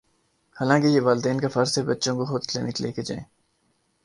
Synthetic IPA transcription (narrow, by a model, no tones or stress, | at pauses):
haːlãːkejeʋaːld̪eːnkafɐɾsebɐtːʃõkoxʊd̪klḛːnɪklḛːked͡ʒã̰ẽː